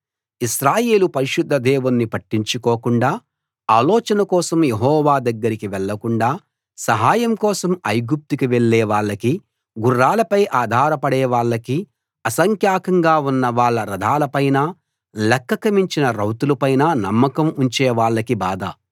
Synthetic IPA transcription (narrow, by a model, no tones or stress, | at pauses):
iʃɾaːjeːlupɐɾiʃud̪ʱːɐd̪ɛːʋunːipɐʈːiɲt͡ʃukɔːkuɳɖaː | aːlɔːt͡ʃɐnɐkɔːsɐmjeɦɔːʋaːd̪ɐɡːɐɾikiʋɛɭːɐkuɳɖaː | sɐɦaːjɐmkɔːsɐmɐjɡup̚t̪ukiʋeɭːɛːʋaːɭːɐki | ɡurːaːlɐpɐjʔaːd̪ʱaːɾɐpɐɽɛːʋaːɭːɐki | ɐsɐŋkʰjaːkɐŋɡaːunːɐʋaːɭːɐɾɐd̪ʱaːlɐpɐjnaː | lɛkːɐkɐmiɲt͡ʃinɐɾɐwt̪ulupɐjnaːnɐmːɐkɐmuɲt͡ʃɛːʋaːɭːɐkibaːd̪ɐ̰